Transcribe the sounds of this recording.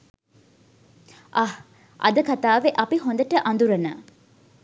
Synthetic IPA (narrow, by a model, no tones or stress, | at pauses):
ʔɐh | ɐ̰d̪əkat̪aːʋeʔɐpiɦond̪əʈəʔɐnd̪uɾɐna̰ː